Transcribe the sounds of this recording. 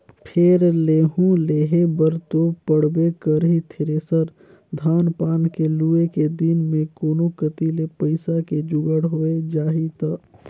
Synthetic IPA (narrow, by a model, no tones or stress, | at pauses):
pʰeɾleːɦũleːɦebəɾt̪opəɽbekəɾɦit̪ʰɪɾeːsəɾ | d̪ʱaːnpaːnkeluːeked̪inmẽkoːnokət̪ilepəɪsaked͡ʒʊɡəɽɦoːed͡ʒaːɦit̪aː